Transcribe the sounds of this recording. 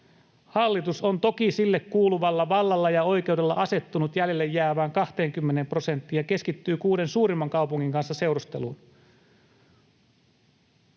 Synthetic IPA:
hɑlːit̪uso̞nt̪o̞kisilːekːuːluʋɑlːɑʋɑlːɑlːɑjɑo̞jk̟e̞ude̞lːɑ̰ʔɑse̞t̪ːunut̪jæljelːejːæːʋæːŋkɑht̪e̞ːŋkymːene̞mpro̞se̞nt̪ːiːjjɑke̞skit̪ːyːkuːde̞nsuːɾimːɑŋkɑupuŋːiŋkɑnsːɑse̞wɾust̪elṵːn

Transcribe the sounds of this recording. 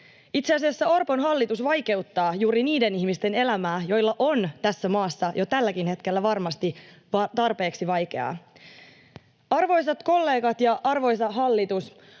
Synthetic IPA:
it̪seɑsiæsːæo̞rpo̞nɦɑlːit̪usʋɑjke̞ut̪ːɑːjuːɾiniːde̞nihmist̪e̞ne̞læmæːjo̞jlːɑʔo̞nt̪æsːæmɑːsːɑjo̞t̪ælːækinhe̞t̪k̟e̞lːæʋɑrmɑst̪iʋɑt̪ɑrpe̞ːksiʋɑjke̞̰ɑ̰ | ɑrʋo̞jsɑt̪ko̞lːe̞ːɡɑt̪jɑʔɑrʋo̞jsɑɦɑlːit̪us

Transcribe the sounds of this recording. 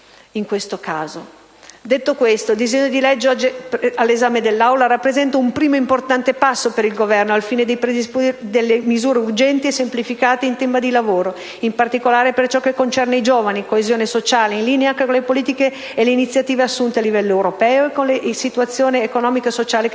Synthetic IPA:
iŋkwest̪okaːzo | d̪et̪ːokwest̪od̪izeɲːod̪ilɛd͡ʒːeɔd͡ʒipalːezaːmed̪elːawlaɾapːɾezɛnt̪aumpɾiːmoimport̪ant̪epasːopeɾilɡovɛrnoalfiːned̪ejpɾed̪ispd̪elːemizuːɾeurd͡ʒɛnt̪iesːemplifikaːt̪eint̪ɛmpad̪ilavoːɾo | impart̪ikolaːɾepert͡ʃɔkːekːont͡ʃɛrnaid͡ʒoːvanikoezjoːnesot͡ʃaːleinliːneaŋkekonlepoliːt̪ikeː | leinit̪sːjat̪iːveasːunt̪ealːivɛlːoewɾopɛːoekːonlesit̪uwat̪sːjoːneːkonɔːmikaesot͡ʃaːle

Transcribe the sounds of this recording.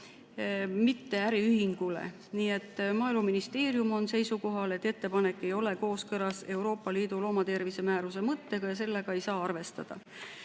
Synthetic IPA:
mit̪ːe̞æɾiyhiŋɡ̥ulḛ | niːe̞t̪ːmɑːilmuminist̪e̞ːɾjumo̞nse̞jsuko̞ɦɑle̞t̪ːe̞t̪ːe̞pɑne̞kːe̞jo̞le̞ko̞ːskɤlɑse̞wɾo̞ːpːɑliːd̪ulo̞ːmɑt̪e̞rvise̞mæːɾuse̞mɤt̪ːe̞ɡ̥ɑjɑs̬e̞lːe̞ɡ̥ɑe̞jsɑːɑrve̞st̪ɑd̪̥ɑ̰

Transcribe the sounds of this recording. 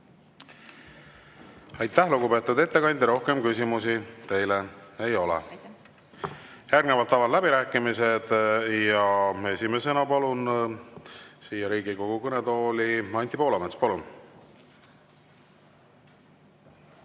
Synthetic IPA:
ɑjt̪ːæhluɡ̥upe̞ːt̪ːˑud̪e̞t̪ːe̞kɑnʲd̪ʲɾo̞hke̞mkysʲimusit̪e̞jlee̞jo̞lɛ̰ | jæːɾɡ̥nevɑlt̪ːˑɑvɑd̪læbiɾæːkːˑimise̞d̪̥jɑe̞sime̞se̞nɑpɑlun | siːjɑɾiːɡiko̞ɡ̥ukɤnet̪o̞ːliɑnʲt̪ˑipoːlɑmet̪spɑlun

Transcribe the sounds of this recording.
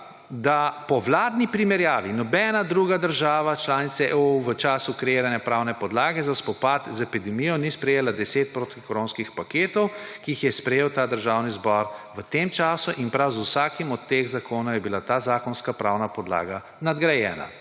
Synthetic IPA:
d̪apɔʋlaːd̪nipɾimɛɾjaːʋinɔbɛːnad̪ɾuːɡad̪əɾʒaːʋat͡ʃlaːnit̪sɛʔuʋət͡ʃaːsukɾɛjeːɾanjɛpɾawnɛpɔd̪laːɡɛzaspɔpat̪zɛpid̪ɛmijɔnispɾɛjeːlad̪ɛseːt̪̚pɾot̪ikɾoːnskixpakeːt̪ɔwkiixjɛspɾɛjeːwt̪aːd̪əɾʒawnizbɔɾʋət̪emt͡ʃaːsuʔinpɾawzusaːkimɔt̪ːeɣzakʰoːnajɛbilat̪aːzaːkɔnskapɾawnapɔd̪la̰ːɡa | nad̪ɡɾajɛ̰ːna̰

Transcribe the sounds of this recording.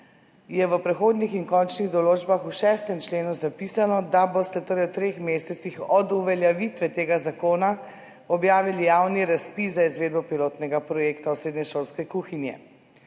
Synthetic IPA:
jɛʋəpɾɛxoːd̪nixiŋkɔnt͡ʃniɣd̪ɔloːd͡ʒbaxuʃɛːst̪ɛmt͡ʃleːnuzapiːsanɔd̪abost̪ɛt̪oɾajwt̪ɾexmeːsɛt̪sixɔd̪uʋɛljɛʋit̪ʋɛt̪eːɡazakoːna | ɔbjaːʋilijawniɾaspizaizʋeːd̪bɔpiloːt̪nɛɡapɾɔjeːkt̪awsɾeːd̪nɛʃoːlskɛkuːxinjɛ̰

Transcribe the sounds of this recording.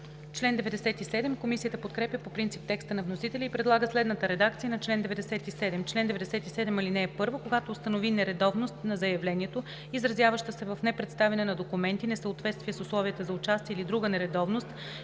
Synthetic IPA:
t͡ʃlɛnd̪ɛvɛd̪ɛsɛt̪isɛd̪ɛmkomisijət̪əpot̪kɾɛpʲjəpopɾint̪sip̚t̪ɛkst̪ənɐvnosit̪ɛlʲiipɾɛd̪lˠaɡəslɛd̪nət̪əɾɛd̪akt̪sijənɐt͡ʃlɛnd̪ɛvɛd̪ɛsɛt̪isɛd̪ɛmt͡ʃlɛnd̪ɛvɛd̪ɛsɛt̪isɛd̪ɛmɐlinɛːpɤɾvokoɡat̪oːst̪ɐnovinɛɾɛd̪ɔvnost̪nɐzɐjɐvlɛniɛt̪o | izɾɐzʲjavəʃt̪əsɛvɐfnɛpɾɛt̪st̪avɛnɛnɐd̪okumɛnt̪inɛsəot̪vɛt̪st̪viɛsʊslˠɔvijət̪əzɐʊt͡ʃast̪iɛilid̪ɾuɡənɛɾɛd̪ɔvnost̪

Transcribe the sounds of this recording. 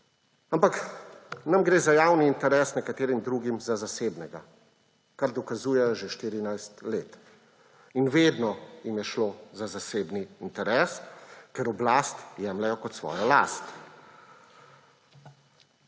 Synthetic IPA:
ampaknamɡɾeːzajaːwniːnt̪ɛɾɛːsnɛkat̪eːɾimd̪ɾuːɡimzazaseːbnɛɡa̰ | kaɾd̪ɔkazuːjɛjɔʒeʃt̪iːɾinajst̪leːt̪ | inʋeːd̪nɔjimjɛʃloːzazaseːbniːnt̪ɛɾɛːskɛɾɔblaːst̪jɛːmlɛjɔkɔt̪sʋɔ̰ːjɔla̰ːst̪

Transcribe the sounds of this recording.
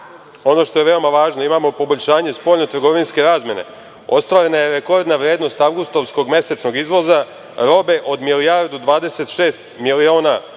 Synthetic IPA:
o̞no̞ʃt̪o̞je̞ʋe̞o̞maʋaːʒno̞imaːmo̞po̞bo̞ʎʲʃaːɲe̞spo̞ːʎʲnot̪r̩ɡo̞ʋinske̞ɾaːzmʲje̞ne̞̰ | o̞̰st̪ʋaːɾe̞naje̞ɾeko̞ɾd̪naʋɾjeːd̪no̞st̪aʋɡust̪oʋsko̞ɡme̞set͡ʃno̞ɡizʋo̞za | ɾo̞be̞ʔo̞d̪milijaɾd̪ud̪ʋaːd̪e̞se̞t̪ʃeːst̪milioːna

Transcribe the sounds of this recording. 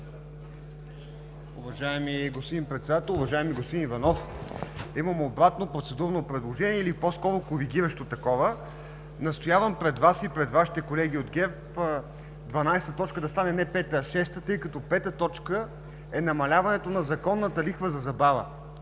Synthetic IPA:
ʊvɐʒaɛmiɡosp̪od̪inpɾɛt̪sɛd̪at̪ɛlˠʊvɐʒaɛmiɡospod̪inivɐnɔf | imɐmobɾat̪nopɾot̪sɛd̪uɾnopɾɛd̪lˠoʒɛniɛiliposkɔɾokoɾiɡʲiɾəʃt̪ot̪ɐkɔvə | nɐst̪ojavəmpɾɛd̪vasipɾɛd̪vaʃi̥t̪ɛkolɛɡ̟iod̪ɡʲɛɾp | d̪vɐnajst̪ət̪ɔt͡ʃkəd̪ɐst̪anɛnɛpɛt̪əʃɛst̪ət̪ɤjkɐt̪ɔpɛt̪ət̪ɔt͡ʃkə | ɛnɐmɐlʲavɐnɛt̪onɐzɐkɔnːət̪əlixvəzɐzɐbavə̰

